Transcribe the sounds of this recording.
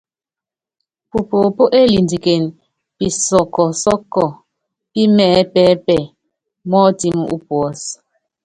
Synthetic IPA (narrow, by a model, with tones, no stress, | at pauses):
pu˨po˨po˦ʔe˦li˨ndi˨ke˨n | pi˨sɔ˨kɔ˨sɔ˦kːɔ˨ | pi˦mɛ˦˨˦pɛː˦pɛ˨ | mɔ˦ti˦mu˦˨ʔu˦pwɔ˨˦s